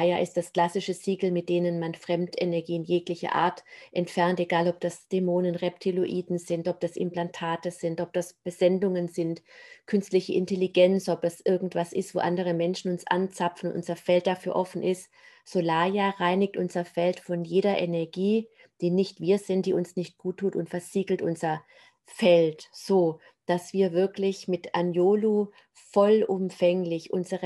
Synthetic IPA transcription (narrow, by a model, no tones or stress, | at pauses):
jaʔɪstd̥askl̥asɪʃəz̥iːɡl̩mɪt̚d̥eːnənmanfʁ̥ɛmtenɛɐɡiːnjeːklɪçɐ̰ʔa̰ːɐtʔɛntfɛɐnteɡaːlɔp̚d̥asd̥emoːnənʁɛp̚tʰiloʔiːdn̩zɪntʔɔp̚d̥asʔɪ̰mplantʰaːtəz̥ɪntʔɔp̚d̥asb̥əzɛndʊŋənzɪntkʰʏnstlɪçəʔɪntʰɛliɡɛnsʔɔp̚d̥asʔɪɐɡŋ̩tv̥asɪstv̥o̰ːʔandəʁ̞əmɛnʃn̩ʊnsʔa̰nt͡safn̩ʊnʔʊ̰nzɐfɛlt̚d̥afyːɐʔɔfn̩ʔɪst | z̥olaːjaːʁaɪnɪk̚tʔʊnzɐfɛltfɔnjeːɾɐʔɛnɛɐɡiː | d̥iːnːɪçtv̥iːɐzɪnt̚d̥iːʊnsnɪçt̚ɡ̥uːtʰːuːtʊntfɛɐz̥iːɡl̩tʔʊnzɐ | fɛltz̥oː | d̥asv̥iːɐvɪɐklɪçmɪtʔanjoːlu | fɔlʔʊmfɛŋlɪçʔʊnzəʁə